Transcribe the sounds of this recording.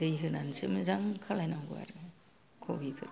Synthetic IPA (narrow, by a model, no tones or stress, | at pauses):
dɯjɦɯnansɯmɨzaŋkʰalajnaŋɡua̰ɾ | kʰobipʰɯ